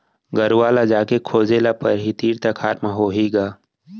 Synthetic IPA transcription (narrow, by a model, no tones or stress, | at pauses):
ɡəɾuaːlad͡ʒaːkekʰoːd͡ʒeːlapɐɾɦit̪iːɾt̪akʰaːɾmãɦoːɦiːɡaː